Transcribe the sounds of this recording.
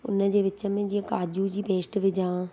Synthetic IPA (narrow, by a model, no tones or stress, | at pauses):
ʊ̰nəd͡ʑeːʋɪt͡ɕəmẽd͡ʑiə̃kaːd͡ʒud͡ʑiːpeːsʈʋɪd͡ʒãː